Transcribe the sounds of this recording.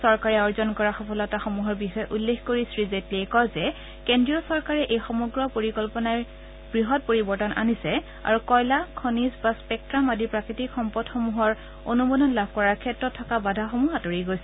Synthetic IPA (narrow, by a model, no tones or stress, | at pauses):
sɔɹkaɹɛɔɹzɔnkɔɹaxɔpʰɔlɔtaxomuɦɔɹbixɔjɛʔulːexkoɹisɹizetliɛkɔzɛ | kendɹijɔsɔɹkaɹɛʔejxɔmɔɡɹɔpoɹikɔlpɔnaɹ | bɹiɦɔt̚poɹibɔɹtɔnʔa̰nisɛ | a̰ɹukɔjlakʰɔnizbaspɛk̚tɹamadʱiɹpɹakɹitikxɔmpɔdxɔmuɦɔɹ | onumɔdɔnlabʱkɔɹaɹkʰɛtɹɔtʰːɔkabadʱaxomuɦatoɹiɡojsɛ